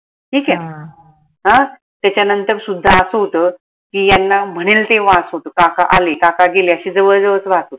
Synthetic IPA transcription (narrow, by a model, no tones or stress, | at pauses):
ʈʰiːkɛ | ɦã | t̪jat͡ɕanənt̪əɾsud̪ʱːaəsɦot̪ə | kiːjanːam̤əɽ̃elt̪eʋaəsɦot̪əkakaʔalekakaɡeleəɕiːd͡zəʋəɭd͡zəʋət͡sʋat̪ot̪